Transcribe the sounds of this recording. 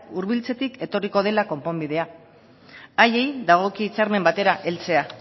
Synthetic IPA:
uɾβilt͡se̞t̪ike̞t̪o̞riko̞ð̞e̞lako̞mpo̞mbið̞e̞a | aje̞jd̪aɣ̞o̞kiːt͡saɾme̞mbat̪e̞ɾaʔe̞lt͡se̞a

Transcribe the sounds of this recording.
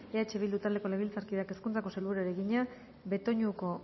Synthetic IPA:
eat͡ʃeβ̞ild̪ut̪ald̪eko̞leβ̞ilt͡saɾkiðeake̞skunt͡sako̞selβuɾaeɾeɣiɲa | be̞t̪o̞ɲuko̞

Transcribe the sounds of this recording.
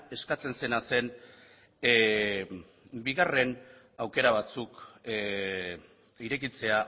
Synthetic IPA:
e̞skat͡se̞nse̞nase̞n | biɣ̞are̞n | awke̞ɾaβ̞at͡suk | iɾe̞kit͡se̞a

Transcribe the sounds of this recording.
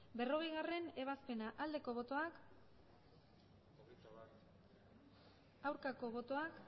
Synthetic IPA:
be̞ro̞ɣ̞e̞jɣare̞ne̞β̞aspe̞naʔald̪e̞ko̞β̞o̞t̪o̞ak | awɾkako̞β̞o̞t̪o̞ak

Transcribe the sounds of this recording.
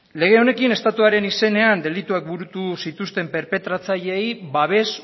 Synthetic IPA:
le̞ɣ̞e̞o̞ne̞kine̞st̪at̪uaɾe̞nise̞ne̞and̪e̞lit̪uak̚buɾut̪usit̪ust̪e̞mpe̞ɾpe̞t̪ɾat͡saʎe̞jβaβe̞s

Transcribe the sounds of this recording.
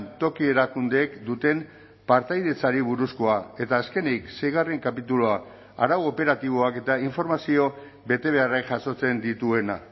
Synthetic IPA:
nt̪o̞kie̞ɾakund̪e̞ːkd̪ut̪e̞m | paɾt̪ajð̞et͡saɾiβuɾusko̞ae̞t̪aːske̞nikse̞jɣ̞are̞ŋkapit̪ulo̞a | a̰ɾawope̞ɾat̪iβ̞o̞ake̞t̪aiɱfo̞ɾmasio̞ | be̞t̪e̞β̞e̞arekʝaso̞t͡se̞nd̪it̪ue̞na̰

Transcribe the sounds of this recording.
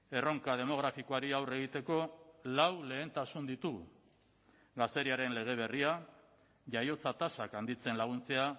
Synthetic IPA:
e̞ro̞ŋkað̞e̞mo̞ɣ̞ɾafikoaɾiawre̞ɣ̞it̪e̞ko̞lawle̞ːnt̪asund̪it̪uɣ | ɡast̪e̞ɾiaɾe̞nle̞ɣ̞e̞β̞e̞ria | ʝajo̞t͡sat̪asakand̪it͡se̞nlaɣ̞unt͡se̞a

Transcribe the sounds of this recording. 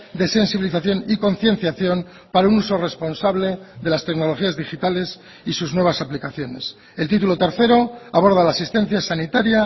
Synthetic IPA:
d̪e̞se̞nsiβiliθaθjo̞niko̞nθje̞nθjaθjo̞m | paɾaunuso̞re̞spo̞nsaβle̞ðe̞last̪ekno̞lo̞xiazðixit̪ale̞s | isuznwe̞β̞asaplikaθjo̞ne̞s | e̞lt̪it̪ulo̞t̪e̞ɾθe̞ɾo̞aβ̞o̞ɾð̞alaːsist̪e̞n̟θjasanit̪aɾja

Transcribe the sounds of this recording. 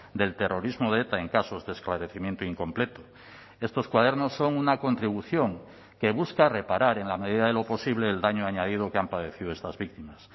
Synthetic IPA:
d̪e̞lt̪e̞rʔo̞ɾizmoðeet̪aeŋkaso̞zðeesklaɾe̞θimje̞nt̪oiŋko̞mple̞t̪o | e̞st̪o̞skwað̞e̞ɾno̞sːo̞ŋunako̞nt̪ɾiβuθjo̞ŋ | ke̞βuskare̞paɾaɾe̞nlame̞ðiðaðe̞lo̞po̞siβle̞ːld̪aɲoaɲað̞ið̞okeampaðe̞θiðoest̪azβik̚t̪imas

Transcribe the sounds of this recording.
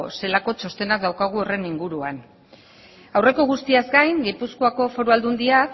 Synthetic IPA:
se̞lako̞t͡ʃo̞st̪e̞nak̚d̪awkaɣ̞uo̞re̞niŋɡuɾuan | awre̞ko̞ɣ̞ust̪iazɡajŋɡipuskoako̞fo̞ɾuald̪und̪ia

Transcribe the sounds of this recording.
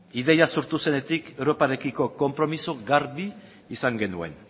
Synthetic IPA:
iðejasoɾt̪use̞ne̞t̪ikewɾo̞paɾe̞kiko̞ko̞mpɾo̞misoɡaɾβiː | saŋɡe̞nue̞̰n

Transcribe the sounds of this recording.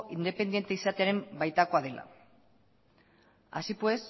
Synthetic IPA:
ind̪e̞pe̞nd̪jent̪eisat̪e̞aɾe̞mbajt̪ako̞að̞e̞lʔa̰ | a̰sipwe̞s

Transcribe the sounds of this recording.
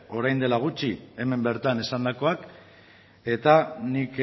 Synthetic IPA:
o̞ɾajnd̪e̞laɣ̞ut͡ʃie̞me̞mbe̞ɾt̪ane̞sand̪ako̞ak | e̞t̪anik

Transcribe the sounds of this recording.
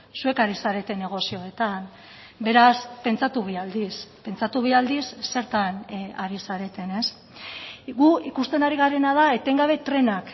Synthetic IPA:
sue̞kaɾisaɾe̞t̪e̞ne̞ɣ̞o̞sio̞e̞t̪an | be̞ɾaspe̞nt͡sat̪uβeald̪ispe̞nt͡sat̪uβ̞iald̪isːe̞ɾt̪anaɾisaɾe̞t̪e̞ne̞s | ɣuikust̪e̞naɾiɣ̞aɾe̞nað̞aet̪eŋɡaβ̞e̞t̪ɾe̞nak

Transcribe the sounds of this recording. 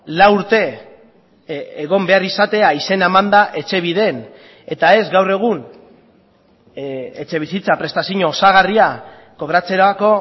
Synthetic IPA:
lauɾt̪e̞ | eɣ̞o̞mbe̞arisat̪e̞aise̞naemand̪aʔe̞t͡ʃe̞βiðe̞n | e̞t̪ae̞zɡawre̞ɣ̞un | e̞t͡ʃe̞βisit͡sapɾe̞st̪asiɲo̞ːsaɣ̞aria | ko̞βɾat͡se̞ɾako̞

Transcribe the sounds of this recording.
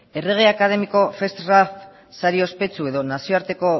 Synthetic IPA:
e̞re̞ɣ̞e̞akaðe̞miko̞fe̞st̪raf | saɾio̞spe̞t͡sue̞ðo̞nasio̞aɾt̪e̞ko̞

